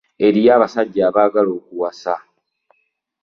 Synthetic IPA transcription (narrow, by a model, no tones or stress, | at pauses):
e̞ɾijaːβasaɟːaːβaːɡalo̞ːkuwasa̰